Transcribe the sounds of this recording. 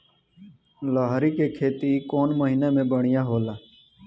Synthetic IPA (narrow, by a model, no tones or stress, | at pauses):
lɔːɦɾikekʰeːt̪ikoːnməɦiːnemẽbəɽ̃ɪjaɦoːlaː